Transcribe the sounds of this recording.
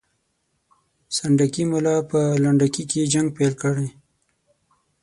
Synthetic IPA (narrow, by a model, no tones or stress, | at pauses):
saɳɖakimʊlɑpəlaɳɖakiked͡ʒaŋɡ̚pelkəɽej